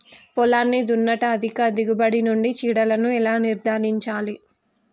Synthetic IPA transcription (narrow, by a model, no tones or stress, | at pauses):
pɔlaːnːid̪unːɐʈɐːd̪ʱikɐd̪iɡubɐɽinuɳɖit͡ʃiːɽɐlɐnuɛlaːniɾd̪ʱaːɾiɲt͡ʃaːli